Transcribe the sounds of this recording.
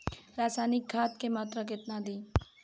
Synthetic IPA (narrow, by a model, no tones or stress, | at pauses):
ɾaːsaːnɪkːʰaːt̪kemaːt̪ɾək̬ɪt̪nad̪iː